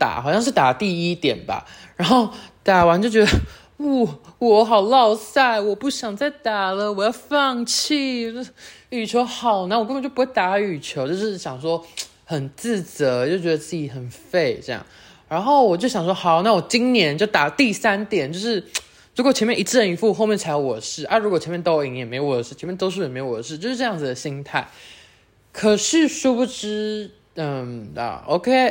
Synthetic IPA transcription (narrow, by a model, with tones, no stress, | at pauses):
t̪a̰˨˩˦xɑ˨˩ʊɕjɑ˥˧ŋʂ̬ɻ̩˥˩t̪a˨˩t̪i˥˩i˦t̪jɛ˨˩nba̰˨ɻa˧˥nxo˥˩ʊt̪a˨˩wa˧˦nt͡ɕjo˥˩ʊt͡ɕɥɛ˧˥d̪ə˧ | u˥˩wɔ˨˧xɑ˨˩ʊlɑ˥˧ʊsa˥˩ɪwɔ˨˩pu˥˩ɕjɑ˨˩ŋt͡sa˥˩ɪt̪a˨˩lə˨wɔ˨˩jɑ˥˧ʊfɑ˥˧ŋt͡ɕʰi˥˩˥ | y˨˩t͡ɕʰjo˧˥ʊxɑ˨˩ʊna˥˩wk̬wt͡ɕo˥˩u˧˥we˥˩ɪt̪a˨˩a˥˩y˨˩t͡ɕʰjo˧˥ʊt͡ɕo˥˧ʊʂɻ̩˥˩ɕjɑ˨˩ŋʂwɔ˥ | xə˨˩nt͡sɹ̩˥˩t͡sɤ˧˥t͡ɕjo˥˩ʊt͡ɕɥɛ˧˥ə˧t͡sɹ̩˥˩t͡ɕi˧˨˩xə˨˩nfe˥˩ɪʈ͡ʂɤ˥˧jɑ̰˥˩ŋ | ɻa˧˥nxo˥˩ʊwɔ˨˩t͡ɕjo˥˩ʊɕjɑ˨˩ŋʂwɔ˥xɑ˨˧˦ʊna˥˩wɔ˨˩t͡ɕi˦ŋnjɛ˧˥nt͡ɕjo˥˩ʊt̪a˨˩˦t̪i˥˨˩sa˦˥nt̪jɛ˨˩nt͡ɕjo˥˧ʊʂɻ̩˥˩ | ɻu˧˥kwɔ˨˩t͡ɕʰjɛ˧˥mɛ˥˩ʔi˧˥t͡s̩˥˩ə˧ni˧˥fu˥˧xo˥˧ʊmjnt͡sʰa˧˥ɪɑ˧ʊwɔ˨˩də˦ʂɻ̩˥˩ʔa˥˧ɻu˧˥kwɔ˨t͡ɕʰɛ˧˥mjɛ˥˨nt̪o˥ʊi˧˥˦ŋjɛ˨˩me˧˥ɪ˧wɔ˨˩d̪ə˦ʂɻ̩˥t͡ɕʰmjt̪o˥ʊʂɻ̩˥˩˨ɛ˨˩me˧˥ɪwɔ˨˩d̪ə˩ʂ̬ɻ̩˥t͡ɕjo˥˧ʊʂɻ̩˥˧ʈ͡ʂɤ˥˧jɑ˥˩ŋd͡z̩˩d̪ə˩ɕi˥ŋt̪ʰa˥˩ɪ | kʰə˨˩ʂɻ̩˥˩ʂu˥pu˥˩ʈ͡ʂɻ̩˥ | ə˥˩mə̰˨˩o˥kʰe˥ɪ